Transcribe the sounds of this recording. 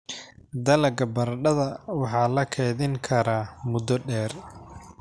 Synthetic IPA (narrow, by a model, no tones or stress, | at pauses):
d̪ɐlɐɡɐbɐrɖɐðɐwɑħɑːlɐkʰɛːðɪŋkʰɐɾaːmʊd̪ɔɖɛːr